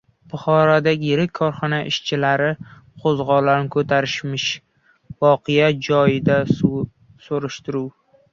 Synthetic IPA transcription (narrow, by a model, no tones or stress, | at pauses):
b̥ʊχɒɾɒd̪aɡʲɪjɪɾɪkʲʰːɒɾχɒnaʔɪʃt͡ʃʰɪlaɾɪqʰozʁɒlankʰɵt̪ʰaɾɪʃmɪʃ | vɒqʰɪjad͡ʒɒjɪd̪a | soɾɪʃt̪ɪɾuw